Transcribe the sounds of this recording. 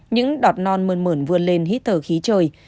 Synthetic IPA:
ɲɨ̰˧˥ŋɗɔ˨˩t̚nɔ˧nməː˧nməː˧˩nvɨ˧əle˧nɦi˦˥t̚t̪ʰəː˧˩xi˨˦t͡ɕəː˧˩j

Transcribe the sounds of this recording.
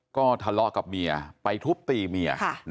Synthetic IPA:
kɔː˥˩t̪ʰa˧lɔ˧˥ʔka˨˩p̚mi˧ɐpa˧jt̪ʰu˦˥p̚t̪iː˧mi˧ɐa˧˩

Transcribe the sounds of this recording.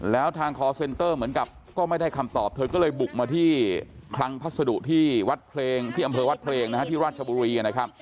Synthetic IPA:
lɛː˦˥wt̪ʰaː˧ŋkʰɔː˨˧˥se˧nt̪ɤː˥˩mɯ˩˦ənka˨˩p̚kɔː˥˩ma˥˩jda˥˩jkʰa˧mt̪ɔː˨˩p̚t̪ʰɤː˧kɔː˥˩lɤː˧jbu˨˩k̚maː˧t̪ʰiː˥˩kʰla˦˥ŋpʰa˦˥t̪̚sa˧du˨˩ʔt̪ʰiː˥˩wa˦˥t̪̚pʰleː˧ŋt̪ʰiː˥˩ʔa˧mpʰɤː˧wa˦˥t̪̚pʰleː˧ŋna˦˥a˥t̪ʰiː˥˩ɾaː˥˩t̪̚t͡ɕʰa˧buː˧ɾiː˧ka˧nːa˦˥kʰa˦˥p̚

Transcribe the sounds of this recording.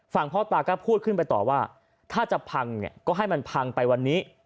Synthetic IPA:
fa˨˩ŋpʰɔː˦˥˩t̪aː˧kɔː˥˩pʰuː˥˩t̪̚kʰɯ˥˩np̬a˧jt̪ɔ̰ː˨˩waː˥˩ | t̪ʰaː˥˩t͡ɕa˨˩pʰa˧ŋnḭ˨˩ɐkɔː˥˩ɦa˥˩jma˧npʰa˧ŋpa˧jwa˧nːiː˦˥

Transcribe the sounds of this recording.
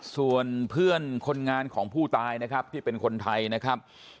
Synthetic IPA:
su˨˩ənpʰɯ˥˩ənkʰo˧nŋaː˧nkʰɔː˩˦ŋpʰuː˥˩t̪aː˧jna˦˥kʰa˦˥p̚t̪ʰiː˥˩pe˧nkʰo˧nt̪ʰa˧jna˦˥kʰɾa˦˥p̚

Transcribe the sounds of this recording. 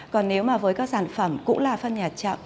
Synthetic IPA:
kɔ˨˩nːe˨˦wmaː˨˩vəː˨˦jkaː˨˦k̚saː˧˩nfə˧˩mkʊ̰˧˥ŋ͡mlaː˨˩fə˧nɲaː˨˩t̚t͡ɕə̰˧˨m

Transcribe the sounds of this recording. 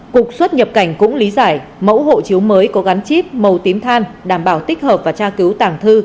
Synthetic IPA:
kʊ˨˩k̚swə˦˥t̚ɲə˨˩p̚ka˧˩jŋ̟kʊ̰˧˥ŋ͡mli˨˦zaː˧˩jmə̰˧˥wɦo̰˧˨t͡ɕi˨˦əwməː˨˦jkɔ˨˦ɣa˨˦nt͡ɕi˦˥p̚mə˨˩wt̪i˨˦mt̪ʰaː˧nɗaː˧˩mɓaː˧˩wt̪i˦˥k̟̚həː˨˩p̚vaː˨˩t͡ɕaː˧ki˨˦wt̪aː˨˩ŋt̪ʰɨ˧

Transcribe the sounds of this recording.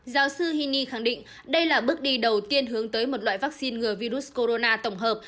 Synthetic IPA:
zaː˨˦wsɨ˧hi˧ni˧xa˧˩ŋɗḭ˧˨ŋ̟ | ɗə˧jlaː˨˩ɓɨ˦˥ək̚ɗi˧ɗə˨˩wt̪i˧ənɦɨ˨˦əŋt̪əː˨˦jmo˨˩t̚la̰ː˧˨jvaː˦˥k̚si˧nŋɨ˨˩əvi˧ɾu˦˥s̚ko˧ɾo˧naː˧t̪ə˧˩wŋ͡mɦəː˨˩p̚

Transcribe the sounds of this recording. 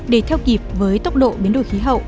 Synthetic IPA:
ɗe˧˩t̪ʰɛ˧wki˨˩əp̚vəː˨˦jt̪ə˦˥wk͡p̚ɗo̰˧˨ɓi˨˦ənɗo̰˧˨jxi˨˦ɦə̰˧˨wʔʔ

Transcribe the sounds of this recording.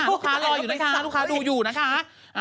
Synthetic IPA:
u˥˩kʰaː˧˦˥lɔː˧juː˨˩na˦˥kʰa˦˥˦lu˦˥kʰaː˦˥duː˧juː˨˩na˦˥kʰa˦˥ | ʔ

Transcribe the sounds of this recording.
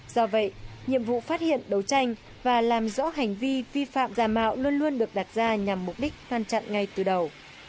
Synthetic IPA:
z̥ɔ˧və̰˧˨jɲḭ˧˨əmvṵ˧˨faː˦˥t̚hḭ˧˨ənɗə˨˩wt͡ɕa˧jŋ̟ | vaː˨˩laː˨˩mzɔ̰˧˥ɦa˨˩jŋ̟vi˧vi˧fa̰ː˧˨mzaː˨˧˩ma̰ː˧˨wlu˧ənlu˧ənɗɨ˨˩ək̚ɗa˨˩t̚z̥aː˧ɲa˨˩mːʊ˨˩k͡p̚ɗi˦˥k̟̚ŋa˧nt͡ɕa̰˧˨nŋa˨˩jt̪ɨ˨˩ɗə˨˩w

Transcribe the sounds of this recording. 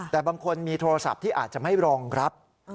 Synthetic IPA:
t̪ɛː˨˩baː˧ŋkʰo˧nmiː˧t̪ʰoː˧ɾa˧sa̰˨˩p̚t̪ʰiː˥˩ʔaː˨˩t̪̚t͡ɕa˨˩ma˥˩jɾɔː˧ŋkʰɾa˦˥p̚

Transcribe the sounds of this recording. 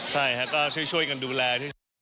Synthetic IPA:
t͡ɕʰa˥˩jkʰa˦˥kɔː˥˩t͡ɕʰu˥˩jt͡ɕʰu˥˩əjka˧nduː˧lɛː˧t͡ɕʰu˥˩

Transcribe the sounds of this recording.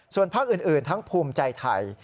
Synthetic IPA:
su˨˩ənpʰaː˥˩k̚ʔɯː˨˩nʔɯː˨˩nt̪ʰa˦˥ŋpʰuː˧mt͡ɕa˧jt̪ʰa̰˧˩j

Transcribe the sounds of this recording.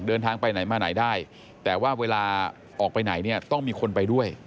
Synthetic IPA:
dɤː˧nt̪ʰaː˧ŋpa˧jna˩˦jmaː˧na˩˦jdaː˥˩j | t̪ɛː˨˩waː˥˩weː˧laː˧ | ʔɔː˨˩k̚pa˧jna˩˦jni˥˩ɐt̪ɔ˥˩ŋmiː˧kʰo˧npa˧jdu˥˩əj

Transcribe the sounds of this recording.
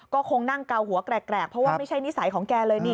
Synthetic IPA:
kɔː˥˩kʰo˧ŋna˥˩ŋka˧wɦu˩˦ɐkɾɛː˨˩kːɾɛː˨˩k̚pʰɾɔ˦˥waː˥˩ma˥˩jt͡ɕʰa˥˩jni˦˥sa˨˩˦jkʰɔː˩˦ŋkɛː˧lɤː˧jniː˥˩

